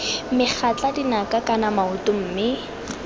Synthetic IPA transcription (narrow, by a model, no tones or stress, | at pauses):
mɪk͡xʰat͡ɬʼadinakakanamaʊtʊm̩ːmɪ